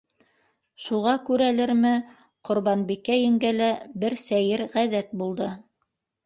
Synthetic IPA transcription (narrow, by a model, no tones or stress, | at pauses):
ʃuʁɑkʉɾælɘɾmɘ | qŏɾβɑnbikːæjɘ̆ŋɡælæbɘɾsæjɘɾʁæðæt̪̚bulˠd̪ɤ